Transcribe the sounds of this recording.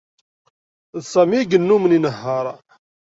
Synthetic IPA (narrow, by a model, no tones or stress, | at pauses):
ðsæmiɡənːuməninəɦːəɾˤ